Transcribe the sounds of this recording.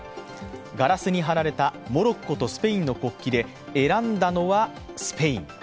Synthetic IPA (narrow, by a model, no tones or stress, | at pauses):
ɡaɾasɨɲ̟iɦaɾaɾe̞t̪amo̞ɾo̞kːo̞t̪o̞sɨ̥pe̞ĩnːo̞ko̞kʲːid̪e̞ː | ɾãnd̪ano̞βa | sɨ̥pe̞ḭ̃ŋ